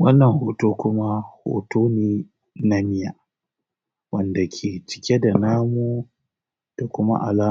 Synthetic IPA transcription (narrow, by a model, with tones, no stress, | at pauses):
wɐ˦nːɐ˨ŋhoː˨toː˦kʷʊ˦ma˦ho̰ː˨tʰoː˦neː˨ | na˦mɪ˦ja˨ | wɐ˦nda˨kʲʰeː˨t͡ʃɪ̥˨kʲe˦da˨naː˦mu˦ | d̥a˨kʷʊ˦ma̰˦ʔa̰˨laː˦